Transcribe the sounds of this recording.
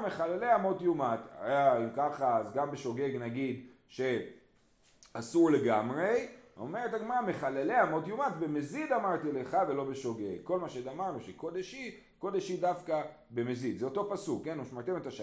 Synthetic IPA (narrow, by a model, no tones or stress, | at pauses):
meχaleleamo̞t̪jumat̪a̰jaimkaχaːzɡambe̞ʃo̞ɡe̞ɡnaɡid̪ | ʃe̞ | asuʁle̞ɡamʁe̞o̞̰me̞ʁetaɡmaʁame̞χalele̞amo̞t̪jumatbe̞mezid̪amaʁt̪ile̞χave̞lo̞beʃo̞ɡe̞ɡkːo̞lmaʃeedamaʁnuʃekod̪eʃi | ko̞d̪eʃidafka | be̞mezid̪zeo̞t̪o̞pasukːenumʃmaʁt̪emet̪aʃ